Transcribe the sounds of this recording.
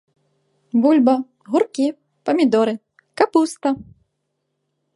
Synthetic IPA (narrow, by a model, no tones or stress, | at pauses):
bulʲbɐ | ɣurkʲi | pɐmʲid̪ɔɾɨ | kapust̪ɐ